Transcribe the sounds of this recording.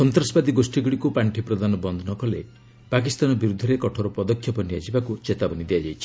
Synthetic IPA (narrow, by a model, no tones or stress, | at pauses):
sɔnt̪ɾasɔbad̪iɡosʈiɡuɽikupaɳʈʰipɾɔd̪anɔbɔnd̪ʱɔnɔkɔle | pakist̪anɔbiɾud̪ʱːɔɾekɔʈʰɔɾɔpɔd̪ɔkʰːjɔpɔnijad͡ʒibakut͡ʃet̪abɔnid̪iad͡ʒajt͡ʃʰi̥